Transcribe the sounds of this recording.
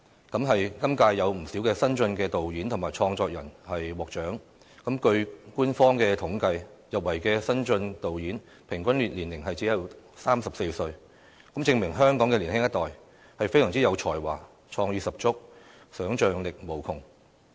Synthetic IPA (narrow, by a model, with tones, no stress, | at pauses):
kɐ˨˥mɦɐ˨jkɐ˥mkaː˧jːɐ˨˧wm̩˨˩siː˨˥wkɛː˧sɐ˥nt͡sɵ˧nkɛː˧t̪o˨wjiː˨˥nt̪ʰʊ˨˩maː˨˩jt͡ʃʰɔː˧ŋt͡sɔː˧k̚jɐ̰˨˩nhɐ˨jwɔː˨k̚t͡ʃœː˨˥ŋ | kɐ˨˥mkɵ˧ɥkuː˥nfɔː˥ŋkɛː˧t̪ʰʊ˨˥ŋkɐ˧jjɐ˨p̚wɐ˨˩jkɛː˧sɐ˥nt͡sɵ˧nt̪o˨wjiː˨˥n | pʰɪ˨˩ŋkʷwʷɐ˥nlyː˨˩t̚liː˨˩nlɪ˨˩ŋɦɐ˨jt͡siː˨˥jɐ˨˧wsaː˥msɐ˨p̚se˧jsɵ˧ɥ | kɐ˨˥mt͡sɪ˧ŋmɪ˨˩ŋɦœː˥ŋkɔː˨˥ŋkɛ˧li˨˩nhɪ˥ŋjɐ˥t̪ɔː˨˩j | hɐ˨jfe˥jsɐ˨˩ŋt͡si˥jɐ˨˧wt͡ʃʰɔː˨˩jwa̰ː˨˩ | t͡ʃʰɔː˧ŋjyː˧sɐ˨p̚t͡sʊ˥k̚ | sœː˨˥ŋt͡ʃœː˨ŋlɪ˨k̚mo˨˩wkʰʊ˨˩ŋ